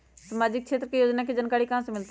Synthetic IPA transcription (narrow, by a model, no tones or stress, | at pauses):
səmaːd͡ʒɪk̚kʃʰeːt̪ɾəkejoːd͡ʒnaːked͡ʒənkaːɾiːkəɦãsemɪlt̪